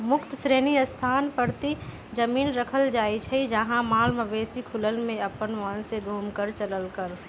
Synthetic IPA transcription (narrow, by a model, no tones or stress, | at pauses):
mʊkt̪əsɾeːniəst̪ʰaːnpəɾt̪i | d͡ʒəmiːnɾəkʰəld͡ʒaːit͡ʃʰəid͡ʒəɦãmaːlməbeːsikʰʊləlmẽəpənʋənseɡʱuːmkəɾt͡ʃələlkəɾ